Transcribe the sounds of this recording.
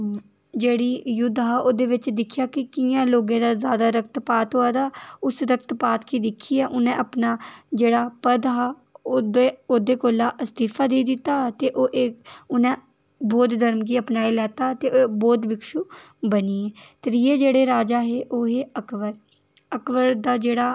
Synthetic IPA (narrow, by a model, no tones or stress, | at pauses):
d͡ʒeːɽiːjʊd̪ɦaːoːd̪eːʋɪt͡ʃd̪ɪkʰːjaːkɪkɪjãːloːɡẽːd̪aːzjaːd̪aːɾək̚t̪paːt̪ɦoaːd̪aːʊsɾəkt̪paːt̪kiːd̪ɪkʰːiːɛːʔʊnẽːʔəpnaːd͡ʒeːɽaːpəd̪ɦaː | od̪eːoːd̪eːkoːlaːʔəst̪iːpʰaːd̪eːd̪ɪt̪ːaːt̪eːʔoːʔeːʊnɛ̃ː | bɔːt̪d̪əɾmk̬iːəpnaːilɛːt̪aːt̪eːoːbɔːt̪bɪkʃuːbəniːɛːt̪əɾijeːd͡ʒeːɽeːɾaːd͡ʒaːɦeːʔoːɦeːəkʋəɾ | əkʋəɾd̪aːd͡ʒeːɽaː